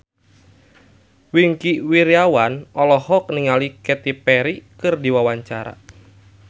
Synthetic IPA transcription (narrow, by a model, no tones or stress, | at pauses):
wiŋkiwiɾiawanɔlɔhɔk̚niŋalikɛt̪ipɛɾikɨrdiwawaɲt͡ʃaɾa̰